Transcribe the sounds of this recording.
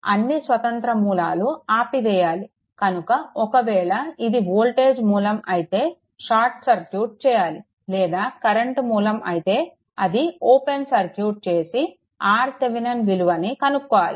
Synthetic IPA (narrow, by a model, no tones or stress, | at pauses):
ɐ̰nːisʋɐt̪ɐnt̪ɾɐmuːlaːluaːpiʋɛːjaːli | kɐnukɐɔkɐʋɛːɭɐid̪iboːlʈe̞ːd͡ʒmuːlɐmɐjit̪e̞ː | ʃaːɾʈsɐɾkjuːʈ̚t͡ʃɛːjaːli | lɛːd̪aːkɐɾeɳʈmuːlɐmʔɐ̰jit̪e̞ː | ɐd̪ioːpensɐɾkjuːʈ̚t͡ʃeːsi | aːɾt̪eʋinɐnʋiluʋɐnikɐnukːɔʋaːlḭ